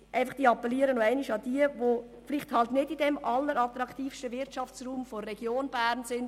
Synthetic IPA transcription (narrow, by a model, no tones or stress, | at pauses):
ʔæɪfɑχd̥iːɑpːɛliːəɾənoæɪnɪʃɑd̥iːəʋo | flɪχthɑltnɪdidɛmʔɑlːəɾɑt̪ɾɑktiːfstəvɪɾtt͡ʃɑft͡sruːmforːɛɡ̥joːnb̥æːɾnsɪnd